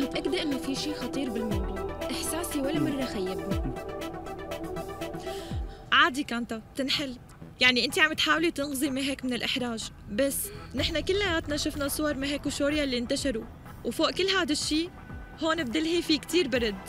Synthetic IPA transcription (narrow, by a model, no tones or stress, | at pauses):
mɪt̪ʔakːd̪ʔɪnːofiːʃiːxɑt̪ˤiːɾbɪlmɑwd̪ˤuːʔʔɪħsaːsiwalːamɑrˤːɑxajːɪbu | ʕaːd̪ikaːnt̪ab̚t̪ɪnħɪl | jaʕniʔɪnt̪iʕamt̪ħaːwlit̪ɪnɣzˤimiɦeːkmɪnɪlʔɪħɾˤaːʒ | basːnɪħnakɪlːʔajaːt̪naʃʊfnasˤʊwɑɾˤmiɦeːkuʃoːɾjalːint̪aʃɑɾu | wfoːʔkɪlːɦaːd̪aʃːiː | hoːnɪb̚d̪ɪlɦifikt̪iːɾbɑɾˤɑd̪